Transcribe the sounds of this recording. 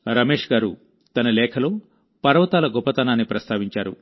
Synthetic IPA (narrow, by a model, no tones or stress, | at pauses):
ɾɐme̞ːʂɡaːɾu | t̪ɐnɐlɛːkʰɐlo̞ː | pɐɾɐʋɐt̪aːlɐɡɔpːɐt̪ɐnaːnːipɾɐst̪ʰaːʋiɲt͡ʃaːɾṵ